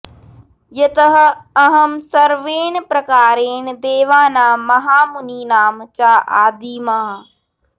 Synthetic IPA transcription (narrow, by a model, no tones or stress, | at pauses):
jɐt̪ɐɦɐ̆ɐɦɐmsɐɾʋeːnpɾɐkaːɾeːnd̪eːʋaːnaːmɐɦaːmuniːnaːmt͡ʃaːʔa̰ːd̪iːmaː